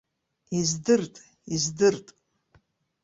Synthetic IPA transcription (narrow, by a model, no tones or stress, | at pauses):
izdɨrtʼ | izdɨrtʼ